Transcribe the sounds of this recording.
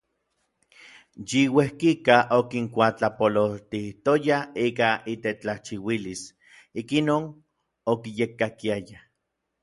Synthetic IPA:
jiwehkikaʔokiŋkʷat͡ɬapololt̪iht̪ojaiːkait̪et͡ɬaht͡ʃiwilis | ikinoːn | okijekːakiaja

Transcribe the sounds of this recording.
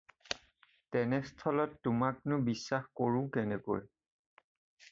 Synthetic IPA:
tɛnɛstʰɔlɔtːʊmak̚nʊbisːaxkoɹʊ̃kɛnɛko̰j

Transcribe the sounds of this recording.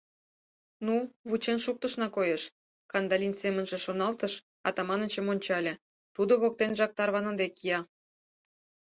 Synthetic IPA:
nuβut͡ɕenʃuk̚t̪ə̆ʃnɑkojeʃ | kɑnd̪ɑlʲinsemə̆nʒĕʃonɑlt̪əʃ | ɑ̰t̪ɑmɑnət͡ɕə̆monʲt͡ɕɑlʲĕ | t̪ud̪oβok̚t̪enʒɑk̚t̪ɑrβɑnə̆nd̪ekijɑ

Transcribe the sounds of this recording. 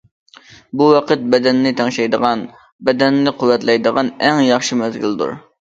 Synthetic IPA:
buwɑqət̪̚bɛd̪ɛnːɪt̪ʰɑŋʃɑjd̪əʁɑn | bɛd̪ɛnːɪqʰʊwːɛt̪lˠɛjd̪əʁɑnɛŋjɑχʃimɛzɡʲild̪ṵɾ

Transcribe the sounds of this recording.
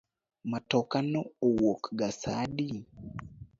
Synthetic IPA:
matɔkanɔowokɡasaɗi

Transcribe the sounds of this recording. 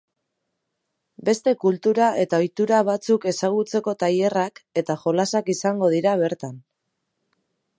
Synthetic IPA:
be̞st̪e̞kult̪uɾaʔe̞t̪ao̞jt̪uɾaβ̞at͡suke̞saɣ̞ut͡se̞ko̞t̪aje̞rake̞t̪aʝo̞lasakisaŋɡo̞ð̞iɾaβ̞e̞ɾt̪an

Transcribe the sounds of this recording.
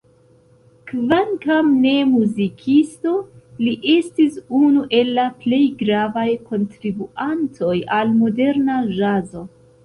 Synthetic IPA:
kvaŋkamne̞muzikʰisto̞liʔe̞stisunuʔe̞lːaple̞jɡɾavajkʰo̞ntɾibuantʰo̞jalmo̞de̞ɾnaʒazo̞

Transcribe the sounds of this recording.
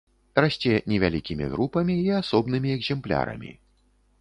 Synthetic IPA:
rasʲt͡sʲɛnʲɛvʲalʲikʲimʲḭɣɾupɐmʲiːasɔbnɨmʲiɛɡzʲɛmplʲa̰ɾɐ̰mʲḭ

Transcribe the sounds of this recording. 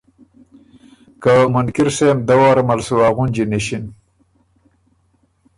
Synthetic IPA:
kamʊnkiɾsemd̪awaɾmalsuwaɣund͡ʒineɕin

